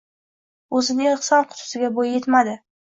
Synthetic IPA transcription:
ɵzɪnɪŋɨχsɒnqʰʊ̥t̪ʰʊ̥sɪɡʲabojjet̪mad̪ɪ

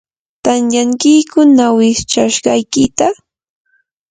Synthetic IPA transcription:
t̪anjaŋkɪjkʊnawɪt͡ʃaʃɢɑjkɪt̪a

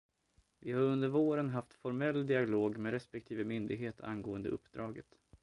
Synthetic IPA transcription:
vɪhaɾɵnd̪əɾvoːɾənɦaft̪fɔɾmɛlːd̪ɪaloːɡmeɾɛspɛk̚t̪ʰiːvəmʏnd̪ɪɡɦeːt̪ʰa̰nɡoːənd̪ə̰ʔɵ̰pːd̪ɾɑːɡət̪

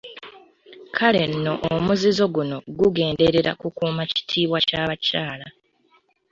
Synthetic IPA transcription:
kʰale̞nːo̞ʔːmuzizo̞ɡuno̞ɡuɡe̞ːnde̞ɾe̞ɾa̰kukuːmaci̥tʰiːβwacaβacaːla

